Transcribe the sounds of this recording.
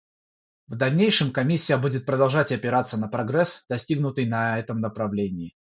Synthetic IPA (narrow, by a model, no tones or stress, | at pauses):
vd̪ɐlʲnʲejʂɨmkɐmʲisʲːɪjəbudʲɪt̪̚pɾəd̪ɐlˠʐatʲɐpʲɪɾat̪sːənəpɾɐɡɾɛsd̪̥ɐsʲtʲiɡnʊt̪ɨjnɐɛt̪əmnəpɾɐvlʲenʲɪː